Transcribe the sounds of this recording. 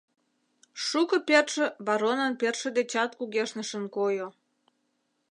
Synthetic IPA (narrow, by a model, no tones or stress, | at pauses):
ʃukə̆perʃə̆βɑɾonənperʃə̆d̪et͡ɕɑt̪kuɣeʃnə̆ʃənkojo